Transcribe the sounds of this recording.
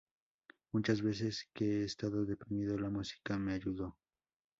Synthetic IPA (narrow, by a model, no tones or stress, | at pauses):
mut͡ʃazβe̞s̬e̞skeeːst̪aðo̞ðe̞pɾimiðolamusi̥kame̞aʝuðo̞